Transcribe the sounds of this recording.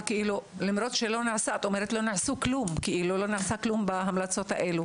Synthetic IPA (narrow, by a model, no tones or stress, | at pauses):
keilulamɾo̞tʃelo̞niʕasaat̪omeɾet̪lo̞niʕsuklumkeʔilulo̞niʕasaklumbaɦamlat͡so̞t̪ha̰ʔelu